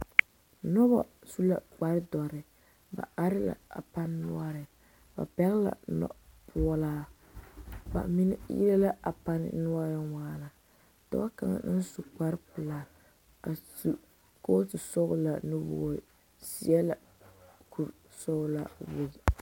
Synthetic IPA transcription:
nɔ˦ba̰˨su˦la̰˨k͡pa˨ɾɪ˦dɔ˨ɾɪ˨ | ba̰˨a˦ɾɪ˦la̰˨a˨pa˦nː˦ʊ˦a˦ɾɪ˨ | ba̰˨pɛ˦ɣɪ˦la̰˨nɔ̰˨pʰu˨laː˦ | ba̰˨mi˦n̰˦jḭ˦ɾa˦la˦a˨pa˦n̰˦nʊ˦a˦ɾɪ˦waː˦la˨ | dɔ̰˦a˦ka̰˨ŋa̰˨˦n̩˦su˨k͡pa˦ɾɪ˦pɨ˨laː˨ | a˨su˨ | ko˦sɨ˨sɔ˦ɣʊ˦la˨no˦bo̰ː˨˦˨ | si˨˦ɛ˦la˨ | kʰu˨ɾ | sɔ˦ɣʊ˦la̰˨wo˨

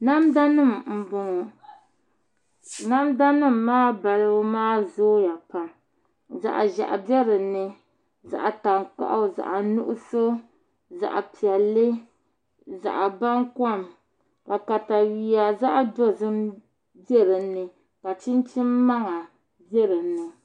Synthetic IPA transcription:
na˦mda˦nɨ˦˨mm̩˨bʊ˨ŋ˨ | na˦mda˦nɨ˦mː˨aː˦ba˨lɨ˦maː˦zoː˦ja˨pa˨ | za̰˨ʔa̰˨ʒa̰˨ʔa̰˨bɛ˦ɾɨ˨nɨ˦ | za̰˨ʔa˨ta˨ŋk͡pa̰˦ʔa˦˨za̰˨ʔa˨nu˦ʔʊ˦so˦ | za̰˨ʔa̰˨pi˨ɛ˨lːɨ˦ | za̰˨ʔa˨ba˦ŋkɔ˦˨m | ka˨ka˨ta˨wi˨˦a˨za˦ʔa˦do˦zɨ˦m | bɛ˦ɾɨ˨nɨ˨ | ka˨t͡ʃi˦nt͡ʃi˦mː˦a˦ŋa˨ | bjɛ˦ɾɨ˨nɨ˨

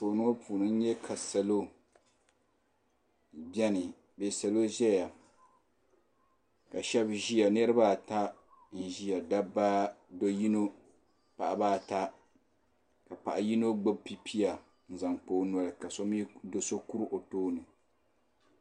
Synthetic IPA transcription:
soː˨no˦pʰuː˨nɨ˦n̩˦ɲɛ˦kʰa˨sa˨lo˦ | bɛ˦nɨ˨ | bɛː˨sa˨lo˦ʒɛ˦ja˨ | ka˨ʃɛ˦bʒi˦a˨nɛ˦ɾɨ˦ba˦˨ta˦ | n̩˦˨ʒi˦ja˨da˦ba˦do˦ji˦no˦ | pa˨ʔa˨baː˦˨ta˦ | ka˨pa̰˨ʔa˨ji˦no˦ɡ͡bo˦b̚pi˦pʰi˦a˨ | n̩˨za˨ŋk͡poː˨˦nɔ˦lɨ˨ka˨so˦mi˦do˨so˦ku˦ɾʔo˨toː˦nɨ˨

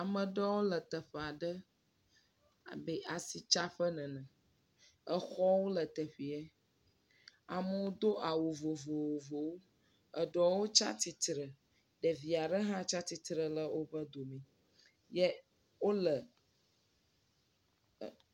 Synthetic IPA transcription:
a˨mə̃˨ɖɛ˦wo˦lə˨t̪ə˨ɸɛ˨a˨ɖə˦ | a˨bɛ˨ʔa˨si˨t͡ʃa˦ɸə˦nɛ̃˨nə̃˨ | ə˦˨xɔ˦wo˦lə˨t̪ə˨ɸi˨ɛ˦ | a˨mə˨wo˦d̪o˦ʔa˨wo˨vo˨vo˨wo˨vo˨wo˦ | ə˨ɖɔ˨wo˦t͡ʃa̰˦t̪i˦t̪ɾə˨ | ɖə˨vi˨a˨ɖə˦ɦã˦t͡ʃa˦t̪i˦t̪ɾə˨lə˦wʔo˦bə˦d̪o˨mɛ̃˨ | jɛ˦ | wo˦lə˨

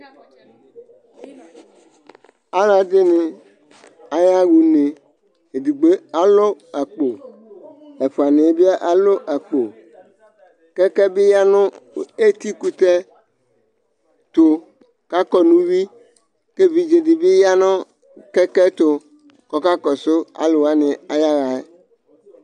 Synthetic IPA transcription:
a˦la˨d̪e˦ne˨ | a˨ja˦wu˨ne˨ | e˨d̪u˨ɡ͡be˦a˨lo˦a˨k͡po˨ | e˨fo˨a˨nẽ˨˦bi˦a˦ʔa˨lo˦ʔa˨k͡po˨ | kɛ˦kɛ˦bɪ˦ja˦nʊ̃˦˨e˦t̪i˦ku˦t̪ɛ˦ | t̪o˨ | ka˦kɔ˦nũ˦wi˦ | ke˦vi˨d͡ʒe˨di˨bɪ˦ja˦nɔ̃˦ | kɛ˦kɛ˦t̪o˨ | kɔ˦ka˦kɔ˨so˦a̰˨lo˨wa˦nɪ̃˨a˨ja˦ɣa˨e˦

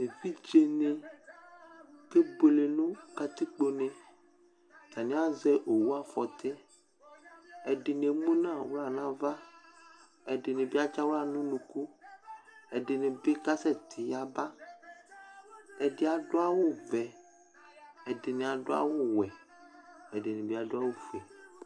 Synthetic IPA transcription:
e˨vi˦d͡ʒe˦nẽ˨ | ke˦ɡ͡bo˨le˨nũ˦ka˦t̪i˦k͡po˦nẽ˨ | t̪a˨nĩ˦a˦zɛ˦ʔo˨wu˦a˦fɔ˨t̪ʰe˦ | e˨ɖe˨nẽ˨mũ˦nã˦˨wo˦la˨nã˦va˦ | ɛ˨ɖe˨nẽ˨bi˦a˦t͡ʃa˦wo˦a˨nũ˦nũ˨ku˦ | ɛ˨de˨nẽ˨be˦ka˦sɛ˦t̪ʰi˨ja˨ba˦ | ɛ˨ɖe˨a˨ɖo˦a˦wo˦vɛ˨ | ɛ˨de˨nẽ˨a˨ɖo˦a̰˦wo˦wɛ˨ | e˨ɖe˨nẽ˨bi˦a˨ɖo˦a˦wo˦fe˨

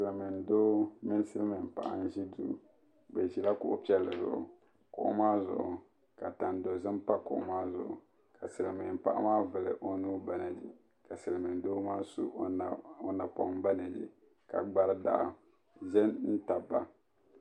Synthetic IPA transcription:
sɨ˨lmɪ˨n˨doː˦mɪ˦n˦sɨ˦lmɪ˨m˨pa˨ʔa̰˦n˦ʒi˦du˨ | be˨ʒi˨la˦kʊ˦ʔʊ˦pi˦ɛ˨lːɨ˨zʊ̰˨ʔʊ̰˨ | kʊ˨ʔʊ̰˦maː˦zʊ̰˨ʔʊ˨ | ka˨ta˨n˨do˨zɨ˦mpa˦kʊ̰˨ʔʊ˨˦maː˦zʊ̰˨ʔʊ˨ | ka˨sɨ˨lmɪ˨m˨pa˦ʔa̰˦maː˦vɨ˨lɨ˨ʔo˦nuː˦ba˦nɛ˨d͡ʒi˨ | ka˨sɨ˨lmɨ˨n˨doː˦maː˦su˦˨o˦na˨pɔ̰˦m˦ba˦na˨d͡ʒḭ˨ | ka̰˨ɡ͡ba˦ɾɨ˦da̰˦ʔ | ʒɛ˦nn̩˦ta˨ba̰˨

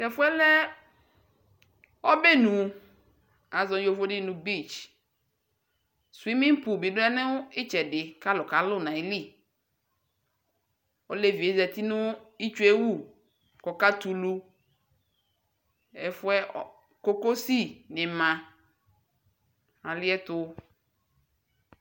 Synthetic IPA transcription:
tɛ˨fʊ˦ɛ˦lɛ˦ | ɔ˦be˦nũ˨ | a˨zɔ̃˨˦jo˨˦fo˦dɪ˦nʊ̃˨bi˦˨t͡ʃ | swi˦mɪ̃˦m˦pʊ˨bi˨dʊ˦ɛ˦nɪ̃˦wʊ˦ɪ˦t͡ʃɛ˨dɪ˨ka˦lʊ˨ka˨˦lʊ˦˨nã˨i˨˦li˦˨ | o˦le˦vi˨e˦zɛ˨t̪i˦nʊ̃˦i˦t͡ʃe˦wu˦˨ | kɔ˨ka˦t̪u˨lu˦ | ɛ˨fʊ˦ɛ˦˨ | ko˦ko˦si˦˨nɪ̃˨mã˨ | a˨lɪ˦ɛ˦t̪ʊ˦

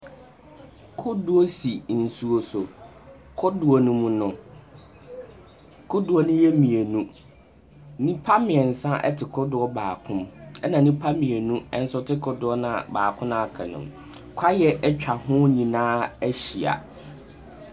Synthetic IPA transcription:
kʰʊ˦dʊ˦ɔ˦si˨n̩˨su˨o˨sʊ˨ | kʰʊ˦dʊ˨ɔ˨nũ˦mũ˦nʊ̃˨ | kʰʊ˦dʊ˨ɔ˨nʊ̃˦jɛ˦mĩ˨e˨nũ˦ | nĩ˦pʰa˦mɪ̃˨ɛ˨n̩˨sã˦ʔɛ̰˦tʰɪ˨kʰʊ˦dʊ˨˦ɔ˦baː˨kʰʊ̃˦mɛ˦nã˨nĩ˦pʰa˦mĩ˨e˨nũ˦ɛ˦n̩˦sɔ˦tʰɪ˦kʰʊ˦dʊ˨ɔ˦nã˨baː˨kʰʊ̃˦nã˦˨a˨kʰɛ̰˨nʊ̰̃˨m | kʷʰa˦jɛ˦ʔɛ˦t͡ɕᶣʰa˨hʊ̃˦ɲĩ˨nãː˦ɛ˦ɕi˨a̰˨

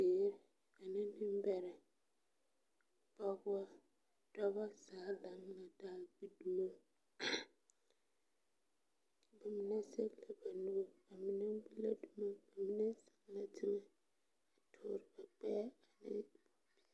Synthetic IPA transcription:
e˨˦ɾ | a˨nɪ̃˦nɪ̃˦m˦bɛ˨ɾɛ˨ | b̥a˦ɡʊ˦a˦ | d̥ɔ˦ba˦saː˨˦la˨˦m˦na˨daː˦bi˦du˦ma˦ | ba˨mɪ̃˦nã˦se˦kla˨ba˨nu˦wo˦ba˨mɪ̃˦nã˦bu˦la˦du˦ma˦ba˨mĩ˦nã˦sɛ̥˦˨ŋ˨la˨tʰi˦mã˦ | a˨tʰʊː˦˨ɾɪ˨ba˨k͡pɛ˦a˨nɪ̰˦b̥o˨b̥i˦˨

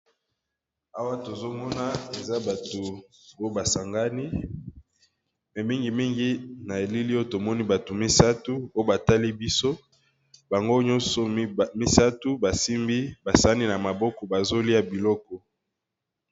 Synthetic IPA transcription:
a˦wa˦to˨zo˦mɔ˦na˦e˨za˦ba˨to˨ | o˦ba˨sa˨ŋɡa˦ni˦ | mɛ˨mi˦ŋɡi˨mi˦ŋɡi˦na˨e˨li˦li˦o˦to˨mɔ˦ni˦ba˨tu˨mi˦sa˦tu˦o˦o˦ba˨ta˦li˦bi˦so˦ | ba˨ŋɡo˦ɲɔ̃˦sɔ˨mi˦sa˦tu˦ba˨si˦mbi˦ba˨sa˦ni˦na˨ma˨bɔ˦kɔ˨ba˨zo˦li˦a˦bi˨lɔ˦kɔ˦

